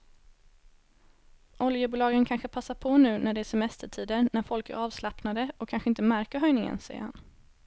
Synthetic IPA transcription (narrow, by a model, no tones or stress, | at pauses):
ʔɔljəbuːlɑːɡənkʰanɧəpʰasːaɾpʰɔnʉ̟ːnæɖɛæːʂɛmɛst̪əʈʰiːd̪əɾnæɾfɔlkæ̰ɾɑːvslapnad̪əɔkʰːanɧəɪnt̪əmæɾkəɾɦœjnɪŋə̰nsɛjə̰ɾha̰n